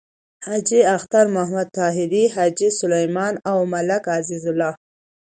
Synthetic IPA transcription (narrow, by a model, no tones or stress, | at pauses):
hɑd͡ʒiaxt̪aɾmahmad̪̚t̪ɑɦɪd̪iɦɑd͡ʒisʊlajmɑnawmalakazizʊlɑː